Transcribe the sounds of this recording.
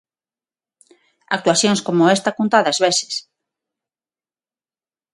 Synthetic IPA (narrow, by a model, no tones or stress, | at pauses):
a̰k̚t̪waθjoŋskomoest̪akunt̪aðazβesɪ̥s